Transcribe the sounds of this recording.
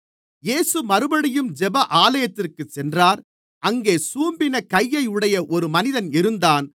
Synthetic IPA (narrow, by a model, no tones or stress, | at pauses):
jeːsɯmɐɾɯbɐɽɪjɯmd͡ʒɛbɐʔaːlɐjɐt̪ːɪrkɯt͡ʃːɛndraːɾ | ʔɐŋɡeːsuːmbɪnɐkɐjːɐɪɯɽɐjɐʔɔɾɯmɐnɪðɐnɪɾɯnd̪aːn